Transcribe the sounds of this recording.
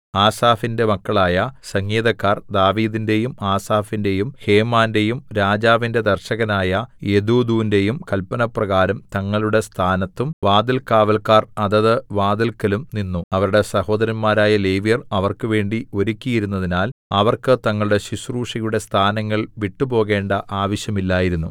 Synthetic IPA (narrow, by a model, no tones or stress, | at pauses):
aːsaːfinde̞mɐkːɐɭaːjɐsɐŋːeːðɐkːaːrd̪aːʋiːðinde̞jumaːsaːfinde̞jumhe̞ːmaːnde̞jumɾaːd͡ʑaːʋinde̞d̪ɐrɕɐɣɐnaːjɐe̞d̪uːd̪uːʋinde̞jumkɐlpɐnɐprɐɣaːɾɐmt̪ɐŋːɐɭuɽe̞st̪ʰaːnɐt̪ːumʋaːd̪ɐlkaːʋɐlkaːrɐðɐðɨʋaːd̪ɐlkɐlumninːuɐʋɐɾuɽe̞sɐho̞ːd̪ɐɾɐnmaːɾaːjɐlejʋijɐrɐʋɐrkɨʋe̞ːɳɖio̞ɾukʲːijiɾunːɐðinaːlɐʋɐrkɨt̪ɐŋːɐɭuɽe̞ɕisruːʂɐjuɽe̞st̪ʰaːnɐŋːɐɭʋiʈːupo̞ːɣe̞ːɳɖɐʔaːʋɐɕjɐmilːaːjiɾunːu